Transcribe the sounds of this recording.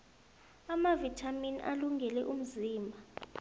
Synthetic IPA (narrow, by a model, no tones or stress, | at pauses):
amavitʰaminʔa̰luŋɡʱɛlɛʔum̩ziːmbʱa